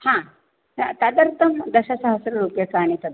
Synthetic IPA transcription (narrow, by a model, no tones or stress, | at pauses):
hãː | t̪ɐd̪ɐɾt̪ɐmd̪ɐʃɐsɐɦɐsɐɾɐɾupjɐkaːnit̪ɐd̪